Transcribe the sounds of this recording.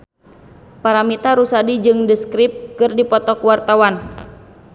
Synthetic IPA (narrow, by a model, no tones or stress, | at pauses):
paɾamit̪aɾusadid͡ʒɨŋdəskɾip̚kɨrdipɔt̪ɔkuwart̪awan